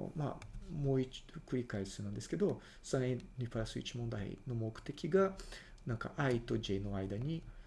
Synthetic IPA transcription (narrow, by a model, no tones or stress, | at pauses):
ma̰moi̥kɯ̟ɾʲikaisɨɯnãnd̪e̞sɨ̥ke̞d̪o̞ | sãenʲipaɾasɨḭt͡ɕimõ̞nd̪aḛno̞mokɯ̟̥t̪e̞kʲiɡa | nãŋka̰ʔait̪o̞d͡ʑeno̞aid̪aɲ̟i